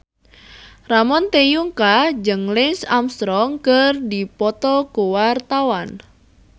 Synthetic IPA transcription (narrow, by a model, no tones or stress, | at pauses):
ramɔnt̪ejuŋkad͡ʒəŋlɪnsamst̪ɾɔŋkərdipɔt̪ɔkuwart̪awan